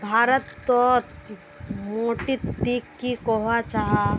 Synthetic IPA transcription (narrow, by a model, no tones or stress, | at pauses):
bʱaːɾət̪ːot̪ | moːʈit̪d̪iːkːikɔɦat͡ʃaɦa